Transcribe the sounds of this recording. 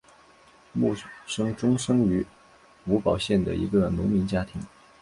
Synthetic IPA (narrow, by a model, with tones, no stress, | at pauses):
mu˥˩ʂɤ˥ŋʈ͡ʂʊ˥ŋʂɤ˥ŋy˧˥ | u˧˥pɑ˨˩ʊɕjɛ˥˩nd̪ə̰˩ḭ˧˥ɡə˧nʊ̰˧˥ŋmi˧˥nt͡ɕja˥t̪ʰi˧˥ŋ